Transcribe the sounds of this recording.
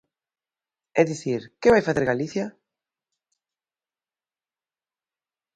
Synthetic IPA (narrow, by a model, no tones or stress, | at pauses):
ɛðiθiɾkeβajfaθeɾɣaliθjɐ